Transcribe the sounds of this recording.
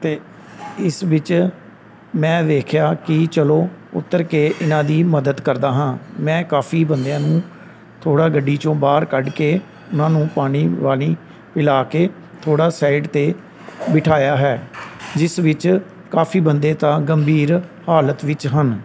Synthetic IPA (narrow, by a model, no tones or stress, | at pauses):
t̪eː | ɪsʋɪt͡ʃ | mɛ̃ːd̪eːkʰjaːkɪt͡ʃəloːʊ̰t̪ːəɾkeːʔɪnãːd̪iːməd̪əd̪kəɾd̪aːɦãːmɛ̃ːkaːpʰiːbənd̪jãːnũː | t̪ʰoːɽaːɡəɖiːt͡ʃõːbaːɾkəɖkeː | ʊnãːnũːpaːɽ̃iːʋaːl̃iː | pɪlaːkeː | t̪ʰoːɽaːsaːiɖt̪eː | bɪʈʰaːjaːɦɛːd͡ʒɪsʋɪt͡ʃ | kaːpʰiːbənd̪eːt̪ãːɡəmbʱiːɾhaːlət̪ʋɪt͡ʃɦən